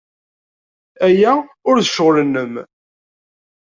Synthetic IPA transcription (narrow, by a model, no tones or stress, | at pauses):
æjæʊɾðəʃəʁlənːəm